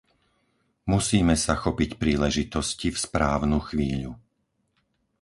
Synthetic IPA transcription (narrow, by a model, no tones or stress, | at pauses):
musiːmɛsaxɔpicpɾiːlɛʒit̪ɔscifspɾaːʊnuxʋiːʎu